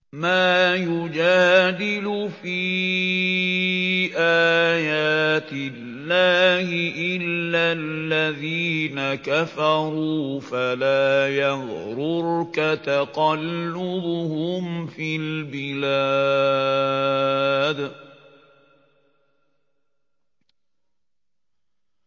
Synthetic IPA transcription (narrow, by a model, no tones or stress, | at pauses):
maːjʊd͡ʒaːd̪ɪlʊfiː | ʔaːjaːt̪ɪlːaːhɪʔɪlːalːaðiːnakafɑɾˤuːfalaːjaðɾʊɾkat̪aqɑlːʊbʊhʊmfilbɪla | d̪